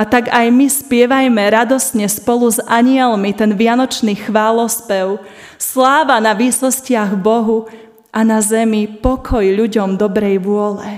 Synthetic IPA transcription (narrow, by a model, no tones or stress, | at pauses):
at̪aɡajmispɪɛʋajmɛɾad̪ɔsɲɛspɔluzaɲɪɛlmit̪ɛnʋɪanɔt͡ʃniːxʋaːlɔspɛʊ | slaːʋanaʋiːsɔscɪaɣbɔɦu | ʔanazɛmipɔkʰɔjʎuɟɔmd̪ɔbɾɛjʋʊɔlɛ